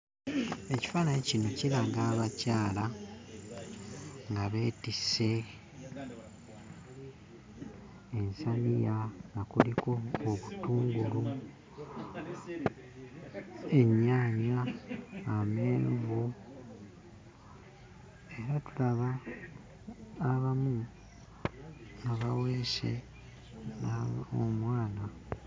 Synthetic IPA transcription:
e̞ci̥faːnajecino̞cilaɡaːβacaːla | ŋɡaβe̞ːtise̞ | nsanijanakuliko̞ːβutuːŋɡulu | e̞ɲːaːɲaː | me̞ːnuvo | e̞ɾatulaβa | βamu | naβaweːsḛ | naomwaːna

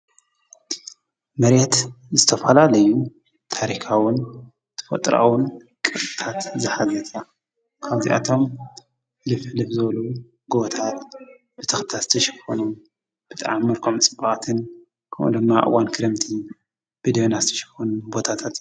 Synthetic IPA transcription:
mɐɾet̪zɨt̪ʰɐfɐlalɐju | t̪ʰaɾikʰawʊn | t̪ʰɐ̥fɐ̰t̪ʼɾa̰wʊn | kʼɨtʼɨt̪ʰat̪zɨħazɐt̪ʰa | kʰaβzḭʔa̰t̪ʰo̞m | lɨflɨfzɨβɐlu | ɡoβt̪ʰat̪ | b̥ɨt̪ʰɨxt̪ʰazɨt̪ʰɐʃɪ̥fonum | b̥ɨt̪ʼa̰ʕamːɨɾkʰomt͡sʼɨbaʔʼt̪ʰɨn | kʰɐmʔṵnd̪ɨmːaʔɨ̰wankʰɨɾɨmt̪ʰi | b̥ɨd̪ɐβnazɨt̪ʰɐ̥ʃɪ̥fonumbo̞t̪ʰat̪ʰat̪

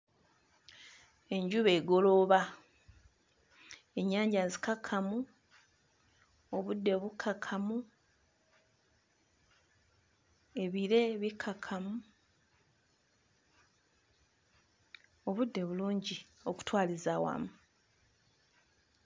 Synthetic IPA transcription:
e̞ɲɟuβe̞ːɡo̞lo̞βa | e̞ɲːaːɲɟazikakʰːamu | oβudːeβukʰakʰamu | e̞βiɾe̞βikʰakʰamu | o̞βudːe̞βuluːɲɟio̞ku̥twaːlizawa̰mu

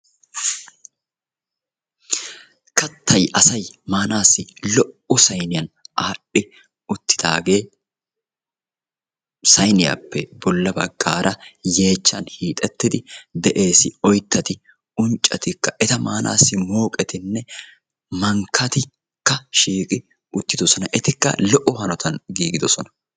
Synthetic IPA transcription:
kɐt̪ʰːɐjʔɐsɐjmaːnaːsːɪlɔʔʊsɐjnɪjɐnʔaːɗːɪ | ʊt̪ːɪ̥d̪a̰ːɡe̞ː | sɐjnɪjɐ̰pːɛb̥ɔlːɐbɐɡ̥ːaːɾʔɐje̞ːt͡ʃːɐnhiːt̪ʼɛt̪ːɪd̪ɪd̪ɛʔe̞ːsɪɔjt̪ːɐt̪ɪ | ʊnt͡ʃʼːɐt̪ɪkːɐʔɛt̪ɐmaːnʔa̰ːsːɪmo̞ːkʼɛt̪ɪnːɛ | mɐŋkʰːɐt̪ɪ | kːɐʃiːkʼɪ | ʊt̪ːɪd̪ɔsɔnɐʔɛt̪ɪkːɐ̰lɔʔːʊhɐnɔt̪ʰɐnɡiːɡɪd̪ɔsɔnɐ̥

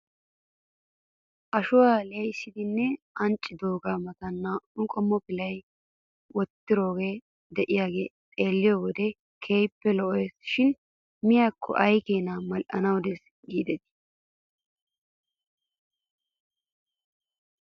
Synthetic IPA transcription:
ʔɐʃʊwaːlejsɪd̪ɪnːɛʔɐnt͡ʃʼːɪd̪oːɡaːmɐt̪ɐnːɐnʊkʼɔmːɔpɪlɐj | wɔt̪ːɪɾo̞ːɡe̞ː | d̪ɛʔɪjaːɡe̞ːt̪ʼe̞ːlːɪjɔwɔd̪ɛ | kʰeːjpːɛlɔʔɔjsʃɪn | mɪjaːkʰːɔ̰ʔɐjkeːnamɐlʔɐ̰nɐwd̪ɛs | ɡiːd̪ɛt̪ɪ̥

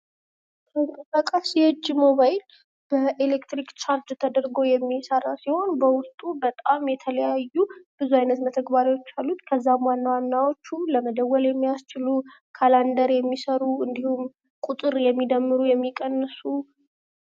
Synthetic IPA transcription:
kʰəŋkʼəsakʼasijɨd͡ʒːimo̞βajl | b̥əʔelekt̪ɾikt͡ʃʰaɾd͡ʒt̪ʰəd̪əɾɡojɛmːisəɾasiho̞nbəwʊst̪ʼubət̪ʼamjɛt̪ʰələjajːub̥ɨzuajnət̪mət̪ʰəɡbaɾiwot͡ʃːalːut̪kʰəzːamwanːawanːawo̞t͡ʃːuləməd̪əwːəljɛmːijast͡ʃɪlu | kʰaland̪əɾjɛmːisəɾuɨnd̪ihum | kʼut̪ʼɨɾjɛmːid̪əmːɨɾujɛmːikʼənːəsu

